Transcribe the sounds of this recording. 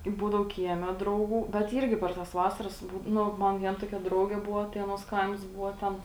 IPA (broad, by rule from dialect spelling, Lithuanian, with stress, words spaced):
ˈbuːdɐʊ ˈkʲiɛˌmʲɛ ˈdrɐʊˌɡuː bʲɛt ˈiːrʲɡʲɪ pʲɛr tɐs ˈʋɑːsɐrɐs ˈbuː ˈnʊ ˈmɐn ˈʋʲiɛn ˈtoːkʲɛ ˈdrɐʊɡʲeː ˈbʊʋoː tɐɪ ˈɑːˌnuɔs ˈkɐɪms ˈbʊʋoː ˈtʲɛn